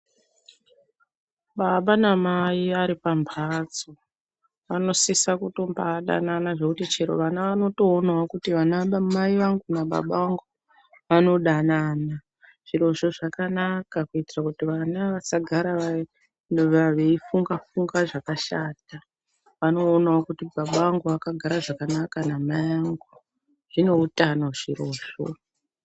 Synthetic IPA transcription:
ɓaɓanamaiaɾipambʱad͡zo | ʋano̞sisakutombaɗa̰nanaʐe̞kutit͡ʃeɾo̰ʋanaʋano̞to̞ːnawakutiʋanaɓamaiʋaŋɡunaɓa̰ɓaaŋɡu | ʋano̞ɗanana | ʐ̥iɾo̞ʃo̞ʐakanakakuitirakutiʋanaʋasaɡʱaɾaʋa | ʋaʋe̞ifuŋɡafuŋɡaʐakaʃaːta | ʋano̞ːnawakutibaɓawaŋɡuʋakaɡʱaɾaʐakanakanamaiʋaŋɡu | ʐ̥ino̞utanauʐiɾoːʃo̰

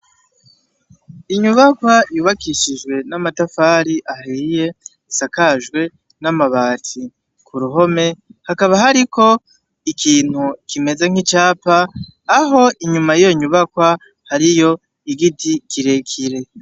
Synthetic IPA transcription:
iɲuβakwajuːβakiʃiʒɡwe̞namatafaːɾiʔaɦiːje̞ | isakaʒɡwe̞ | namaβaːtʰi | kʰuɾuɦo̞me̞hakaβaɦaɾikʰo̞ | ikʰiːn̥hukime̞zeŋ̥hit͡ʃaːpaː | ɦo̞ʔiɲumajijo̞ɲuβakwa | haɾijo̞ | iɡitikiɾe̞kʰiɾe̞

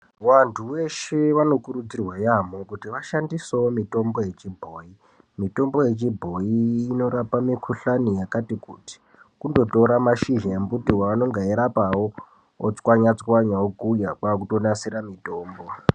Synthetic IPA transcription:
wantʰuwe̞ʃe̞ʋano̞kuɾud͡zirwajamokutiʋaʃandisoomito̞mboje̞t͡ʃibʱoːi | mito̞mbo̞je̞t͡ʃibʱo̞iːno̞ɾapamikʰuɬanijakatikuti̥ | kundo̞to̞ɾamaʃiʒaembutiwaʋano̞ŋɡaeɾapawoː | t͡swaɲat͡swaɲaokujapakuto̞nasiɾamito̞ːmbo̞

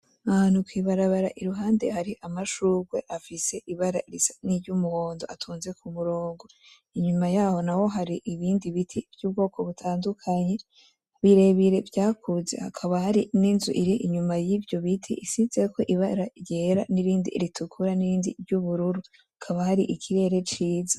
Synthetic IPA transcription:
aanukwiːβaɾaβaɾaʔiɾuɦaːnde̞haɾiʔamaʃuːɡwe̞̰ʔafise̞ʔiβaɾaʔiɾisaniɾɟumuhoːndo̞ʔatʰuːnze̞kʰumuɾoːŋɡo̞ | iɲumajaːho̞nawo̞ɦaɾiʔiβiːndiβitʰiv̥juːb̚ɡo̞ːkʰo̞βutʰaːndukʰaɲe̞ | βiɾe̞βiɾe̞vjaːkʰuze̞̰ha̰kʰaβahaɾininzṵʔiɾiʔiɲumajivjo̞βitʰḭʔisize̞ko̞ʔiβaɾajeɾa̰niɾiːndḭɾitʰukʰuɾaniɾiːndiɾɟuβuɾuɾu | hakʰaβahaɾiʔikʰiɾe̞ːɾe̞t͡ʃiːzḁ

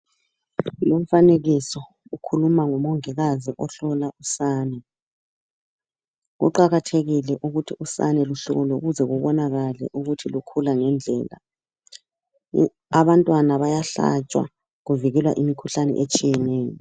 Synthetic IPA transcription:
lom̩faneɣisɔ | ukʰulumaŋɔmɔŋɛɣaziʔɔɬɔlausaːnɛ | ɣṵǃaɣatʰeɣilɛʔuɣutʰiusa̰nɛluɬɔ̰ɣɔloɣuzɛɣuβɔnaɣalɛ̰ʔuɣutʰilukʰulaŋɛnd͡ɮʱɛ̰ːla̰ | aβantʼwanaβajaɬa̰t͡ʃʼwa̰ | ɣuviɣɛlwa̰ʔimikʰuɬanɛ̰ʔet͡ʃʼijɛnɛːjɔ

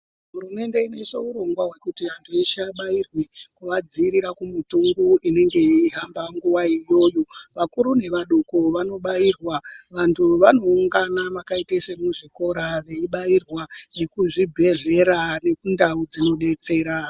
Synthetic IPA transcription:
ɦuɾume̞nde̞ine̞so̞uɾo̞ŋɡwaɦwe̞kutiantʰueʃaɓairwikuʋad͡ziːɾiɾakumutuŋɡuine̞ŋɡe̞iɦambaŋɡuʋaijo̞ːjoʋakuɾune̞ʋaɗokoʋano̞ɓairwaʋantʰuʋano̞uŋɡanaʋakaitesemuʐiko̞ɾaʋe̞iɓairwane̞kuʐibʱe̞ʐe̞ɾane̞kundaud͡zino̞ɗe̞t͡se̞ːɾa

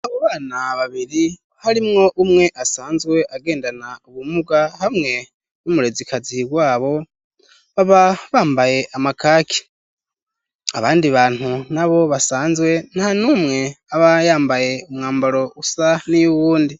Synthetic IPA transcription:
aβoβaːnaβaβiɾi | haɾimŋo̞ʔumŋe̞ʔasaːnzwe̞ʔaɡe̞ːndanauβumuɡahamŋe̞ | numuɾe̞zikaziɡwaːβo̞ | βaβaβaːmbaje̞ʔamakaːkʰi̥ | a̰βaːndiβaːn̥hunaβo̞βasaːnzwe̞n̥hanuːmŋe̞aβajaːmbaje̞umŋaːmbaɾo̞usanijuβuːndi

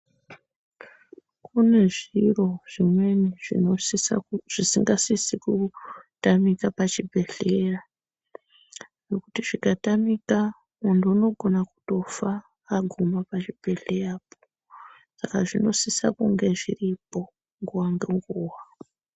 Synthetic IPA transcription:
kune̞ʐiro̞ʐ̥imwe̞niʐi | ʐ̥isiŋɡasisikutamikapat͡ʃibʱe̞ɮe̞ra | no̞kutiʐikatamika | munduuno̞ɡʱo̞naku̥to̞faː | ɡʱumapat͡ʃib̥ʱe̞ɮe̞japo̥ | sakaʐino̞sisa̰kuŋɡe̞ʐiripo̞ | ŋɡuwaŋɡeŋɡuːwa

